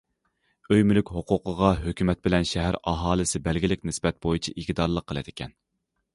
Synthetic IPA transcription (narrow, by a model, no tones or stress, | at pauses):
øjmylykʲhoqʰʊqʰəʁɑɦøkʲymɛt̪̚bɪlɛnʃɛɦæɾɑɦɑːlˠɨsɪbɛlɡʲilɪkʲnɪsbɛt̪̚bojit͡ʃʰiʔikʲd̪ɑɾlˠəqʰːəlˠɨd̪̥ɪkʲʰɛn